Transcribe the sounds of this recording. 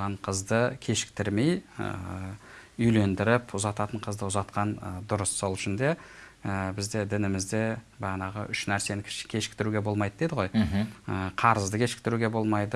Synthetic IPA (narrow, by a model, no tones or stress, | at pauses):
ʁɑɴqʰəzd̪əkʲʰe̞ʃɪ̥k̚t̪ɪɾme̞jə̰ | ʏjle̞nd̪ɪɾɪpʊzɑt̪ɑt̪əɴqʰəzd̪əʊzɑt̪qɑnd̪ʊɾəsːo̞lˠʏʃɪnd̪e̞əbɪzd̪e̞d̪ɪnɪmɪzd̪e̞bɑnɑʁə̰ʔʏʃnæɾse̞nɪkʲʰkʲʰe̞ʃɪ̥k̚t̪ɪɾuɡʲe̞bo̞lˠmɑjd̪əd̪ed̪ɪʁo̞jɦəqʰɑɾəzd̪əkʲʰe̞ʃɪ̥k̚t̪ɪɾuɡʲe̞bo̞lˠmɑjd̪ə